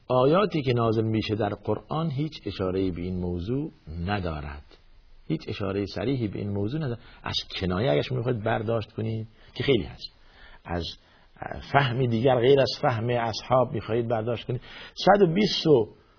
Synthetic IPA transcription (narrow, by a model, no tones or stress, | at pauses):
ʔɒːjɒːt̪iːkenɒːzelmiːʃed̪æɾqoɾʔɑːnɦiːt͡ʃʰeʃɑːɾejiːbeiːnmowzuːnæd̪ɒːɾæ̰d̪̥ | hiːt͡ʃeʃɑːɾejesæ̰ɾiːɦiːbeʔḭːnmowzuːnæd̪ɒːɾæ̰z̥kʰenɒːjeæɡæʃmixɑːhiːd̪̚bæɾd̪ɒːʃt̪kʰoniːd̪̚ | kʰexejlḭːhæst̪ | æ̰z | fæhmid̪iːɡæɾɣejɾæz̥fæhmeæshɒːbmiːxɒːhiːd̪̚bæɾd̪ɒːʃt̪koniːd̪sæd̪obiːst̪o